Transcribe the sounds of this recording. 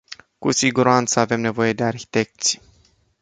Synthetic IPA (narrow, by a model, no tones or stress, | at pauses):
kusiɡuɾant̪səave̞mne̞vo̞je̞d̪e̞arçi̥t̪e̞k̚t̪si̥